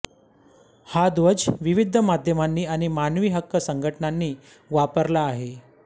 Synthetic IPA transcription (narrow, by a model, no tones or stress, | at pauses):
had̪ʋəd͡zʋiʋid̪ʱəmad̪ʱjəmanːiːaɽ̃imanʋiːɦəkːəsəŋɡʱəʈnanːiː | ʋapəɾlaːɦe